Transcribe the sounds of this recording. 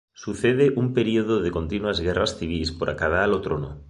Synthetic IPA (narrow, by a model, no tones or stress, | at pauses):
suθeð̞eʔumpeɾioðoðeko̞nt̪inuazɣerasθiβ̞ispoɾʔa̰kað̞alot̪ɾono